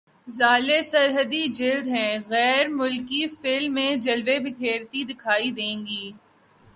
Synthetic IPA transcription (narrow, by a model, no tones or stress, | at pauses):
zaːlesɐɾɦəd̪id͡ʒɪld̪ɦɛ̃ɣɛːɾmʊlkifɪlmːẽd͡ʒɐlʋebʱɪkʰeːɾt̪id̪ɪkʰaːid̪ẽːŋɡiː